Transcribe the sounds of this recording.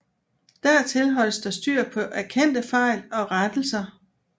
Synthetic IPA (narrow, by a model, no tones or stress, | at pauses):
d̥æɐ̰t͡sʰe̝lɦɒ̽l̰əsd̥ɑ̈sd̥yɐ̰pʰɒ̽ʔæɐkʰen̰d̥əfɑ̈ɪ̰lɒ̽ʁad̥l̩sɐ